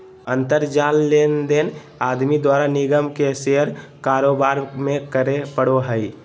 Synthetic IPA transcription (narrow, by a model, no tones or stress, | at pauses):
ə̃nt̪əɾd͡ʒaːlːeːnd̪en | aːd̪mid̪waːɾanɪɡəmkeseɦəɾkaːɾoːbaːɾmẽkəɾepəɽoɦəɪ